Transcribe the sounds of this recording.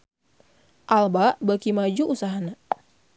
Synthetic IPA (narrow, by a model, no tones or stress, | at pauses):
ʔalbaʔbakimad͡ʒuʔusaɦana